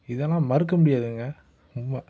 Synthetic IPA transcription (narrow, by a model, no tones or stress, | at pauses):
ɪðɛlãːmɐɾɯk̬ːɐmʊɽɪjaːðɯŋɡɐ | ʊmːɐ